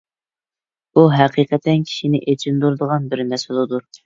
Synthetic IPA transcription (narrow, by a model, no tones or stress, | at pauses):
uɦæqʰiqʰɛt̪ʰːɛnkʲʰi̥ʃinɪʔet͡ʃʰind̪uɾd̪əʁɑnbɪɾnɛsɨlˠɨd̪u